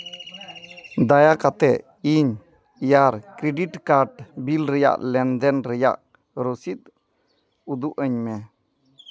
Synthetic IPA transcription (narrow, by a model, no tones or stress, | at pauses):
d̪ajakat̪ɛ | iɲ | jaɾkɾeɖiʈkaɾʈbilɾɛja̰ʔlɛnd̪ɛnɾɛja̰ʔ | ɾosit̪̚ | ud̪uʔəɲmɛ